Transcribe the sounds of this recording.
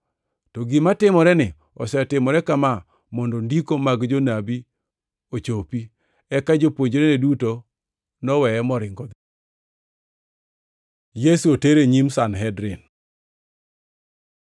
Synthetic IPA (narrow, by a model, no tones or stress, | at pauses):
tɔɡɪmatɪmɔɾɛnɪ | ɔ̰sɛtɪmɔɾɛkama | mɔndɔndikomaɡd͡ʒonabi | ot͡ʃopi | ɛkad͡ʒopwoɲd͡ʒɾeneduto | nɔwɛɛmɔɾɪŋɡɔd̪ | jesuoteɾeɲimsanɦɛdɾɪn